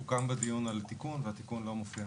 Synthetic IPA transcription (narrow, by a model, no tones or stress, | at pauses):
ukambed̪ijunalt̪ikunveat̪ikunlo̞mofia